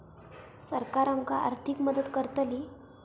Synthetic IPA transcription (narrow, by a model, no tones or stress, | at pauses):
səɾkaɾamka̰ʔa̰ɾt̪ʰikməd̪ət̪kəɾt̪ali